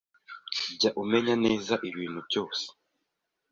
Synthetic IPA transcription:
ɟaʔumeɲaneːzaʔiβiːnhuβjoːse̥

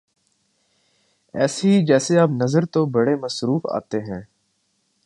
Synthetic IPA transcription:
ɛːseɦid͡ʒɛːseaːpnɐzəɾt̪obɐɽemɐsɾuːfa̰ːt̪eɦɛ̃ː

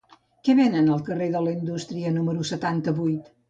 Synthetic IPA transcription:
kɛβenənəlˠkəreðələind̪ust̪ɾiənuməɾusət̪ant̪əβujt̪

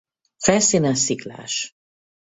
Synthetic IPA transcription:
fɛlsiːnɛsikla̰ːʃ

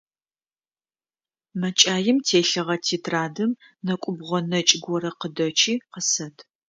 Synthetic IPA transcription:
mɐt͡ʃʼaːjɪmtʰeːɬɐʁɐtʰiːtʰraːdɨmnɐkʷʼʊbʁʷɔnɐt͡ʃʼɪɡʷɔɾɐqədɐt͡ʃʰiːqəsɐtʰ

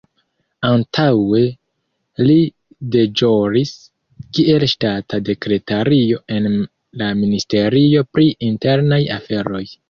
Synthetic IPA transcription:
antʰawe̞ | li | de̞d͡ʒo̞ɾis | kie̞lʃtatʰade̞kɾe̞taɾio̞e̞n | laministe̞ɾio̞pɾiinte̞ɾnajafe̞ɾo̞j

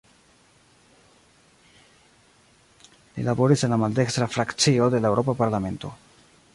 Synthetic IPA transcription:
lḭlabo̞ɾise̞nlamald̪e̞kst̪ɾafɾakt͡sio̞d̪e̞laewɾo̞papaɾlame̞nto̞̰

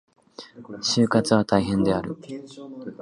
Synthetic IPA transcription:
ɕɨːkat͡sɨβ̞at̪aiɦẽ̞nd̪e̞aɾɯ̟

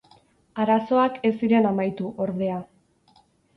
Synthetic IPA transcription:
aɾaso̞ake̞siɾe̞namajt̪uʔo̞ɾðe̞a

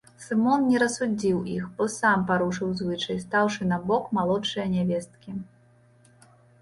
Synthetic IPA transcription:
sɨmɔnnʲɛɾɐsud͡zʲiwʔixbɔsampaɾuʂɨwzvɨt͡ʂɐjst̪awʂɨnabɔkmalˠɔtt͡ʂɨjɐnʲɛvʲɛst̪̚kʲi

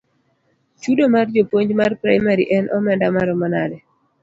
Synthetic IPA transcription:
t͡ʃudomard͡ʒopwoɲd͡ʒmarpɾajmaɾiʔɛnʔɔmɛndamaɾɔmɔnadɛ

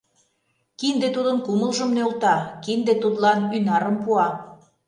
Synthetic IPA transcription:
kind̪et̪ud̪ə̆nkumə̆lʒə̆mneulˠt̪ɑkind̪ĕt̪ut̪lɑnynɑɾɤ̆mpuɑ

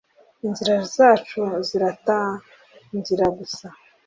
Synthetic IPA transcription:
inziɾaɾzaːt͡ʃuziɾata | nziɾaɡusa

